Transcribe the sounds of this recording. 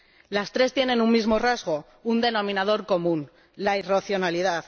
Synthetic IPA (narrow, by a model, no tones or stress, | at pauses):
last̪ɾe̞st̪je̞ne̞nunmizmo̞razɣ̞o̞ | und̪e̞nõ̞mĩnað̞o̞ɾko̞mũn | lairaθjo̞nalið̞að